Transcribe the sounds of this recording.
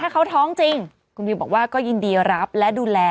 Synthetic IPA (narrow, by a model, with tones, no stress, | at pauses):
t̪ʰaː˥˩kʰa˦˥wt̪ʰɔː˦˥ŋt͡ɕi˧ŋ | kʰu˧nmiː˧˩bɔ̰ː˨˩k̚waː˥˩kɔː˥˩ji˧ndi˧ɾa˦˥p̚lɛ˦˥duː˧lɛː˧